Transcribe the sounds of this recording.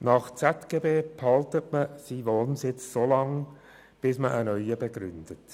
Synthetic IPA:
nɑχt͡sɛtɡ̥eːbeːphɑltətməsiʋoːnnsɪt͡ssoːlɑŋ | b̥ɪsməʔənœʏəbeɡɾʏnd̥ət

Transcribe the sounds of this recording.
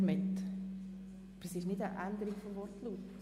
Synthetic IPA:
mɪt̪ | b̥əɾsɪʃnɪdəʔænd̪əɾiɡfɔmvɔrtluːt̪

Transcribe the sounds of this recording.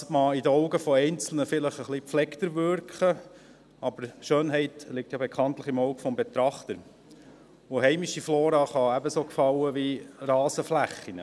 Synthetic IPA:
mɑidəɔʊɡəfɔɛɪnt͡sl̩nəfɪləχəχlipflɛkt̪əɾʋʏɾkχə | ɑb̥əɾʃøːnɦɛɪt̪lɪk̚tjɑbɛkʰχɑnt̪ləχɪmoʊɡfɔmbɛt̪ɾɑχt̪əɾ | oɦɛɪmiʃifloːɾɑːχɑæbəsoːkfɑwəʋirɑːsəflæχːinə̰

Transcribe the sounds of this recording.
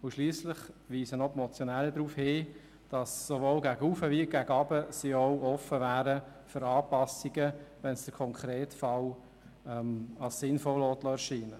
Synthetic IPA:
ʊʃliːslɪχʋiːsənɔpmɔt͡sjɔnɛləd̪ɾuːfhɪː | d̥ɑsːoʋoːlɡæɡəufəʋiːɡ̥æɡɑbəsiɔʊʔɔfːəvæːɾə | føɾɑːpɑsiɡəʋɛnsd̥əɾkʰɔŋkχɾeːtfɑl | ɛmɑlssɪnfɔlɔt̪lɔɛɾʃiːnə

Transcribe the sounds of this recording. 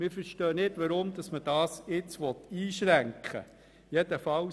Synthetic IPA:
mɪːfəɾʃtœːnɪtʋɑɾʊmd̪ɑsməd̥ɑːsɪt͡sʋɔt̪iːʃɾæŋkχə̰ | jɛd̥əfɑ

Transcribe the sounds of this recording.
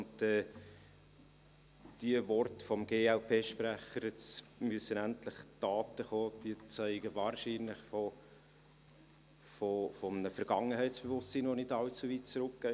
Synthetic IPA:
ntɛː | d̥iəvɔrtəfɔmɡ̥eːɛlpʰeːʃpɾæχəɾɛt͡smyəsːənæntlɪχd̥ɑːtəχoːd̥iət͡sæɪɡəvɑːɾʃiːnlɪχfɔ | fɔfɔmnəfɛɾɡ̥ɑŋːəɦɛɪtt͡sb̥evʊstsiːnʋonɪdɑlt͡suviːt̚t͡sɾʊk̚ɡ̥æɪ

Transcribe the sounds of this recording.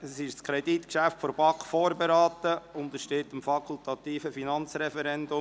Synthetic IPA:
əsɪʃskʰɾɛdit̪kʃæftfɔɾbɑkfoːɾbeɾɑːt̪əʊnd̪əʃtɪt̪əmfɑkʰʊlt̪ɑt̪iːfəfinɑnt͡sɾɛfɛɾɛnd̪ʊ

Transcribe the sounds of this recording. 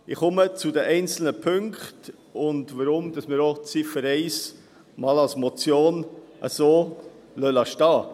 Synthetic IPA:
ɪχʊmət͡sʊdəʔɛɪnt͡sl̩nəpʰʏŋkχt | ʊntvəɾʊmd̥ɑsmɪːɾot͡sifəɾɛɪs | mɑːlɑlsmɔt͡sjoːnʔə̰soː | lœlɑʃtɑː

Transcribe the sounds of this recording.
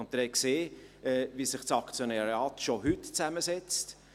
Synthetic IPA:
nt̚d̥əɾɛkseːɛːvisɪχt͡sɑkt͡sjonɛɾɑːtʃoɦʏtt͡sæməsɛt͡st

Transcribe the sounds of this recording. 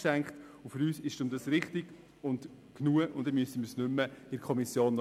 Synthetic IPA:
ʃæŋkχtʊfʏɾyːsɪʃd̥ʊmdɑsɾɪχtɪɡ̥ | ʊnd | knuəʔʊnd̥ɛmysəməsnʏmːəɪɾkʰɔmisjoːnn

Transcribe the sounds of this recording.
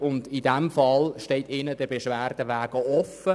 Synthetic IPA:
ʊndidɛmfɑlʃtɛɪtɪnədɛbɛʃʋæːrd̥əʋæːɡ̥əɔfə

